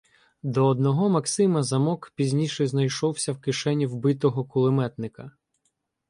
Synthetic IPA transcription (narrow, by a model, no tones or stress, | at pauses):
d̪ɔːd̪nɔɦɔmɐksɪmɐzɐmɔkpʲizʲnʲijʃɛznɐjʃɔwsʲɐwkɪʃɛnʲiwbɪt̪ɔɦɔkʊlˠɪmɛt̪nɪkɐ